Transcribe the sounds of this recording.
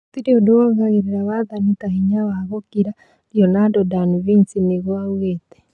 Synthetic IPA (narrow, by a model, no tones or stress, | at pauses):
otiɾeodowɔɣaɣeɾeɾawaðanitahiɲawaɣɔkiɾa | ɾjɔnadɔdaniβinsineɣoawɣetɛ̥